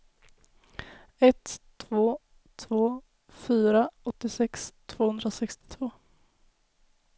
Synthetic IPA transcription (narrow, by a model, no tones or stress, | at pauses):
ɛt̪ʰː | voː | t̪ʰvoː | fyːɾaɔt̪ːɪsɛkst̪ʰv̥oːhɵnd̪ɾasɛkst̪ɪ̥t̪ʰv̥oː